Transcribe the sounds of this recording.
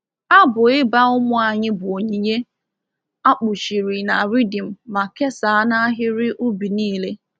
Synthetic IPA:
a˦bʊ˨ɪ˦ba˦ʊ˦mʊ˦a˨ɲɪ˦bʊ˨o˨ɲi˨ɲe˦ | a˦k͡pʊ˨ʃi˨ɾi˨na˨ɾi˦di˨m̩˨ma˨ke˦sa˨a˦na˦ɦɪ˦ɾɪ˦ʔu˦bi˨niː˦le˦

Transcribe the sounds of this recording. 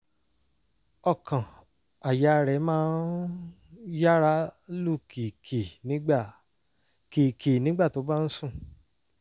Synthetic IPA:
ɔ˧˨kʰã˨ | a˨ja˨˧ɾɛ˨˦mãː˦n | ja˦ɾa˦lu˦˨ki˨kʰe˨nĩ˨˦˨ | ki˨kʰe˨nĩ˨˦ɡ͡ba˦˨to˨˦ba˦n̩˦sũ˦˨

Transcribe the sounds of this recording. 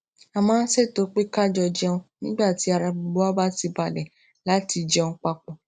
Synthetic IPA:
a˧mãː˦n̩˦se˦˨to˨˦k͡pe˦ka˦˨d͡ʒɔ˧˨d͡ʒɛ˧ũ˧nĩ˦ɡ͡ba˦˨ti˨˦a˧ɾa˧bu˧ɡ͡bo˦a˦ba˦ti˧ba˨lɛ˨ | la˨˦ti˧d͡ʒɛ̃˧ũ˧k͡pa˧k͡pɔ̃˨

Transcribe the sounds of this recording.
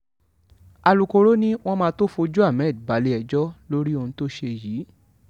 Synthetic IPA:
a˨lu˨ko˧ɾo˦nĩ˦w̃ɔ̃˦mãː˧to˦fo˧d͡ʒu˦a˦˨mɛ̃˨˦˨dba˨˦le˧˦ɛ˨d͡ʒɔ˦lo˦ɾi˦o˧nũ˧to˦ʃe˧jiː˨˦

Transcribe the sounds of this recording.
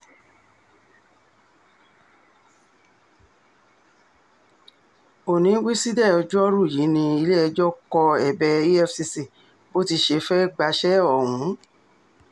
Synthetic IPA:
o˨nĩ˨˦wi˦si˦dɛ˦˨ɔ˨˧d͡ʒɔ˦ɾu˦˨ji˨˦nĩ˧i˧le˦ɛ˧d͡ʒɔ˦kɔ˧ɛ˨bɛ˧i˦ɛ˦fsi˧si˦˨ | bo˦ti˧ʃe˧˦fɛ˦ɡ͡ba˧ʃɛ˦ɔ˦˨hũ˨˦

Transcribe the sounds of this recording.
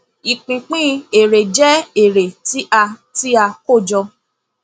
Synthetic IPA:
i˨k͡pĩ˨k͡pĩ˦e˨ɾe˨d͡ʒɛ˦e˨ɾe˨ti˦ʔa˧ti˦a˧ko˦˨d͡ʒɔ˧

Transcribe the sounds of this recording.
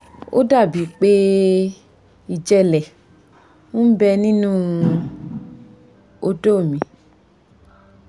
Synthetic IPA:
o̰˦da˦˨bi˨˦k͡pe˦ | i˨d͡ʒɛ˧lɛ˨ | ũ˦m̩˦bɛ˧nĩ˦nũ˦ | o˧do˦˨mĩ˨

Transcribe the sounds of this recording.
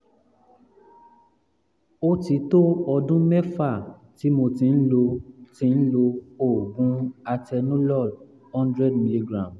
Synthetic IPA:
o˦ti˨˦to˦ɔ˧dũ˦mɛ˦fa˦˨ | ti˨˦mo˧tĩ˧n̩˦lo˧tĩ˧˦n̩˦lo˧o˦˨ɡũ˦a˧tɛ˧nũ˦lɔ˦˨l | hɔ̃˦ndɾɛ˦˨dmi˨˧li˧ɡɾã˨m

